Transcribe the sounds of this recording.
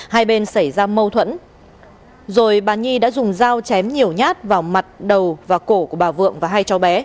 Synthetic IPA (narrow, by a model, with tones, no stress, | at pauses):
haː˧jɓe˧nsa˧˩jzaː˧mə˧wt̪ʰwə̰˧˥n | zo˨˩jɓaː˨˩ɲi˧ɗa̰ː˧˥zʊ˨˩ŋ͡mzaː˧wt͡ɕɛ˨˦mɲi˨˩əwɲaː˦˥t̚vaː˨˩wma˨˩t̚ɗə˨˩wvaː˨˩ko˧˩ku˧˩əɓaː˨˩vɨ̰˧˨əŋvaː˨˩ɦa˧jt͡ɕɔ˨˦wɓɛ˨˦